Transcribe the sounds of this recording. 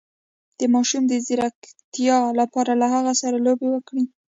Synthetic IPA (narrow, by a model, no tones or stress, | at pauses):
d̪̥əmɑʃumd̪əzɪɾakt̪ijɑlapɑɾalaɦaɣasaɾalobewəkɽi